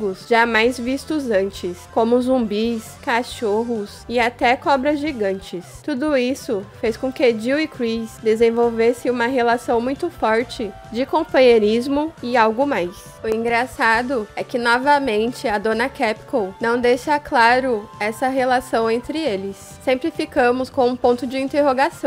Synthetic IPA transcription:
ɡʊsʒ̥amajzvist̪ʊzɐ̃nt͡ʃɪskõmʊzũmbiskaʃoɦʊsɪat̪ɛkɔbɾɐzʒiɡɐ̃nt͡ʃɪst̪ud̪ʊisʊfejskõkɪd͡ʒiwɪkɾisd̪ezẽvowvesɪ̃ũmɐɦelasɐ̃w̃mũj̃t̪ʊfɔɾt͡ʃɪ | d͡ʒɪkõpɐ̃ɲeɾizmʊɪawɡʊmajs | ʊĩŋɡɾasad̪ʊɛkɪnɔvɐmẽnt͡ʃɪɐd̪õnɐkɛpkownɐ̃w̃d̪ejʃɐklaɾʊɛsɐɦelasɐ̃w̃ẽnt̪ɾɪelɪsːẽmpɾɪfikɐ̃mʊskõw̃ũpõnt̪ʊd͡ʒɪĩnt̪eɦoɡasɐ̃w̃

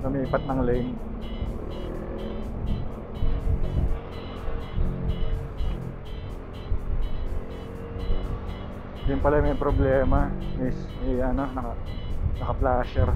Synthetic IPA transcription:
ʔʊmiːpɐt̪̚nɐŋlɛjn | jʊnpɐlajmɐjpɾoblɛːmɐmis | mjɐno̞nɐkɐnɐkɐplaːʃɛɾ

